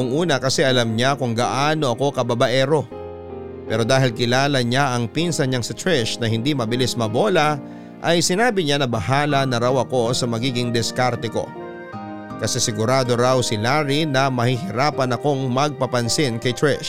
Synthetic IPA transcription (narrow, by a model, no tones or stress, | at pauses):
ʊŋʔuːnɐkɐsɛʔɐlɐmɲakʊŋɡɐʔaːno̞ʔɐko̞kɐbɐbɐʔɛːɾo̞ | pɛɾo̞d̪aːɦɪlkɪlaːlɐɲaʔɐŋpinsɐnɲaŋsɪt̪ɹɛʃnɐhɪnd̪imɐbɪlismɐbo̞lɐ | ʔɐjsɪnaːbɪɲanɐbɐhaːlɐnɐɾawɐko̞sɐmɐɡiːɡɪŋd̪ɛskaɾt̪ɪko̞̰ | kɐsɛsɪɡʊɾaːd̪o̞ɾawsɪlaːɾinɐmɐhɪhɪɾaːpɐnɐko̞ŋmɐɡ̚pɐpɐnsɪnkɐjt̪ɹɛʃ